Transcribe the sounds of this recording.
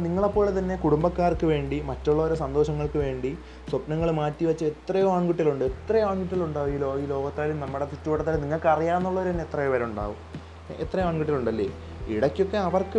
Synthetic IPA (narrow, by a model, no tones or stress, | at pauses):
niŋːɐɭepːo̞ːɭet̪ɐnːe̞kuɽumbɐkːaːrkːɨʋe̞ːɳɖimɐtːuɭːɐoɾusɐnd̪o̞ːɕɐŋːɐɭkɨʋe̞ːɳɖi | swɐpnɐŋːɐɭmaːtːiʋɐt͡ɕːɨet̪ːrɐjoaːɳɡuʈːjɐlɭuɳɖɨet̪rɐjaːɳɡuʈːjɐlɭuɳɖaːʋiːlo̞ːiːlo̞ːɡɐt̪ːaːlumnɐmːuɽet̪utːuʋɐʈːɐt̪ːɐlniŋːɐɭkɨɐrijaːnːuɭːɐoɾut̪ɐnːet̪ːrɐjoʋɐɾɐuɳɖa̰ːʋum | et̪ːrɐjomaːɳɡuʈːjiluɳɖɐlːḛː | iɽɐkʲːo̞kːe̞ɐʋɐrkɨ